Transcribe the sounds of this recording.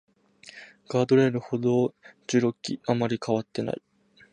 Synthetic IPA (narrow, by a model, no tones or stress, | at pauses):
ɡ̥aːd̪o̞ɾe̞ːɾɯ̟ho̞d̪oːd͡ʑɨɾo̞kʲːiamaɾʲikʰaβ̞at̪ːe̞na̰i